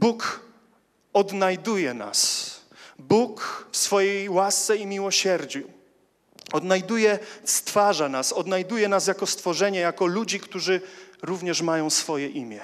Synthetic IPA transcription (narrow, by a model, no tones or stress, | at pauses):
buk | ɔd̪najd̪ujɛna̰s | bukfsfɔjejwast̪sɛimʲiwɔɕɛɾd͡ʑu | ɔd̪najd̪ujɛst̪faʐanasɔd̪najd̪ujɛnas̬jakɔst̪fɔʐɛɲɛjakɔlud͡ʑikt̪uʐɘɾuvɲɛʂmajɔ̃w̃sfɔjɛʔimʲjɛ